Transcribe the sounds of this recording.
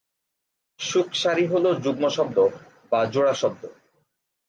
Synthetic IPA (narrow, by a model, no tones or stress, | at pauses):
ʃukʰʃaɾiɦolod͡ʑuɡmoʃɔbd̪o | bad͡ʑoɽaʃɔb̚d̪o